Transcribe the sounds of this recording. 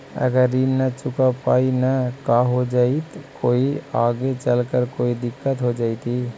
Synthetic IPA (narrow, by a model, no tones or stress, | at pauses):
ə̰ɡəɾːinnət͡ʃʊkapaːinakaɦod͡ʒait̪koːiaːɡet͡ʃəlkəɾkoid̪ɪkːət̪ɦod͡ʒaːit̪i